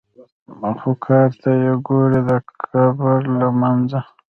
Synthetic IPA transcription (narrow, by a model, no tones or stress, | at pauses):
maxukʰɑːɾt̪ajeɡoɾed̪əkʰabaɾlamanza